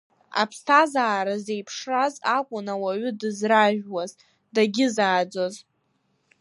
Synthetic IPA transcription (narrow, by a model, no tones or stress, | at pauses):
a̰pʰstʰazaːɾaze̞jpʰʂrazakʷʼʊnawaɥʏdɨzraʒᶣwaz | daɡʲɪzaːd͡zo̞z